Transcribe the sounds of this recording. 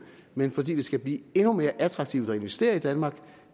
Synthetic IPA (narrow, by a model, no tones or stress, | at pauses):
menfɒ̽d̥ḭːd̥e̝sɡ̥æb̥liːe̝nume̝ːɐʔæt͡sʰʁɑ̈ɡ̥̚t͡sʰiʊd̥ɑ̈e̝nʋesd̥e̝̰ːɐid̥ænmɑ̈ːɡ̥